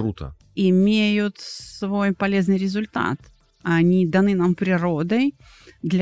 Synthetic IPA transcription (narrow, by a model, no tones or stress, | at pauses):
ɾut̪ə̰ | ɪmʲejʊt̪svo̞jpɐlʲe̞znɨjɾʲɪzʊlʲt̪a̰t̪ | ɐnʲid̪ɐnɨnampɾʲɪɾo̞d̪əj | d̪lʲ